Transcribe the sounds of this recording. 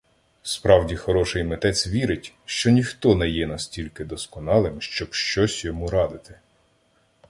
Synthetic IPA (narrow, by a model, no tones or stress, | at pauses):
spɾɑwdʲixɔɾɔʃɪjmet̪ɛt͡sʲʋʲiɾɪtʲ | ʃt͡ʃɔnʲixt̪ɔnɛjɛnɐsʲtʲilʲkɪd̪ɔskɔnɑlˠɪmʃt͡ʃɔbʃt͡ʃɔsʲjɔmuɾɑd̪ɪt̪ɪ̥